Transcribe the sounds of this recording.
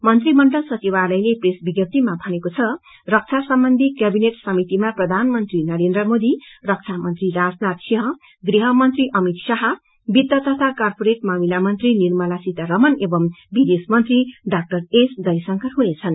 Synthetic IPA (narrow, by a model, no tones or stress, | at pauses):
mʌnt̪rimʌɳɖʌlsʌt͡sibalʌjlepresbiɡjʌp̚t̪imabʱʌnekot͡sʰʌ | rʌk̚t͡sʰasʌmbʌnd̪ʱikjabineʈsʌmit̪imaprʌd̪ʱanmʌnt̪rinʌɾend̪ɾrʌmod̪irʌk̚t͡sʰamʌnt̪riɾad͡znat̪siɦʌ | ɡriɦʌmʌnt̪riʔʌmit̪saɦʌ | bid̪ːʌt̪ʌt̪ʰakarpoɾeʈ̚mamilamʌnt̪rinirmʌlasit̪aɾʌmʌnebʌmbid̪esmʌnt̪riɖak̚ʈʌresd̪ʌjsʌŋkʰʌɦunet͡sʰʌn